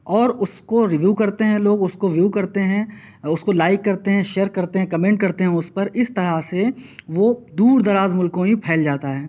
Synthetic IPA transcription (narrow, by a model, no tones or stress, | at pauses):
ɔːɾʊskoɾɪʋjuːkɐɾt̪eɦɛ̃loːɡʊskoʋjuːkɐɾt̪eɦɛ̃ | ʊskolaːɪkːɐɾt̪eɦɛ̃ʃeːɾkɐɾt̪eɦɛ̃kɐmẽːɳʈ̚kɐɾt̪eɦɛ̃ʊspɐɾɪst̪ɐɾaseʋod̪uːɾd̪ɐɾaːzmʊlkõɦĩpʰɛːld͡ʒaːt̪aɦɛː